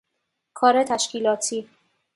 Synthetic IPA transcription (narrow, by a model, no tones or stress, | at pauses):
kʰɒːɾet̪ʰæʃcʰiːlɒːt̪ʰiː